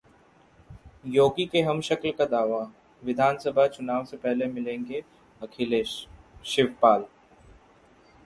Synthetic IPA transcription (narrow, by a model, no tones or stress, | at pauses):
joːkikeɦɐmʃɐklkad̪aːʋa | ʋɪd̪ʱaːnsəbʱat͡ʃʊnaːʋsepɛɦlemɪlẽːŋɡe | ɐkʰele | ʃɪʋpaːl